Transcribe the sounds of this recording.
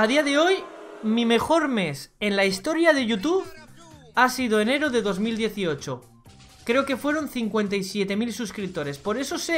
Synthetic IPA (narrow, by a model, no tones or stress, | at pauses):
aðiaðe̞o̞jmime̞xo̞ɾme̞se̞nlaist̪o̞ɾjaðe̞ʝut̪̬uβ | asið̞oene̞ɾo̞ðe̞ðo̞zmild̪je̞θio̞t͡ʃo | kɾe̞o̞ke̞fwe̞ɾo̞n̟θiŋkwe̞nt̪ajsje̞t̪e̞milsuskɾip̚t̪o̞ɾe̞spo̞ɾe̞so̞se